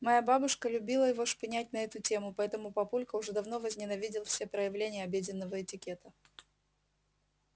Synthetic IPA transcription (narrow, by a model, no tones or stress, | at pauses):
mɐjababʊʂkəlʲʊbʲilˠəjɪvoʂpɪnʲætʲnɐɛt̪ʊtʲe̞mʊpɐɛt̪əmʊpɐpulʲkəʊʐɛd̪ɐvnovəzʲnʲɪnɐvʲidʲɪlˠfsʲe̞pɾəjɪvlʲenʲɪjəɐbʲedʲɪnːəvəɪtʲɪkʲe̞t̪ə